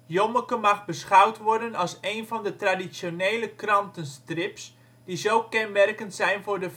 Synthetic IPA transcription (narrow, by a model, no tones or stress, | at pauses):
joməkəmɑxbəsχawtʋɔrdənɑlˠsejnvɔndətradisjoneːləkrɑntənstrɪps | d̥izowkɛnmɛrkəntsɛjnvʊrdə